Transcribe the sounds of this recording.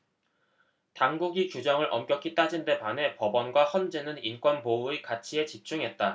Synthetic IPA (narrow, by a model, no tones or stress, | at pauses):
taŋɡuɡikjud͡ʑʌŋɯɭʔʌmk͈jʌk͈ʰit͈ad͡ʑinde̞pane̞pʌbʌnɡwahʌnd͡ʑe̞nɯnink͈wʌnpouikat͡ɕʰie̞t͡ɕip̚t͡ɕ͈uŋɦe̞t̚t͈a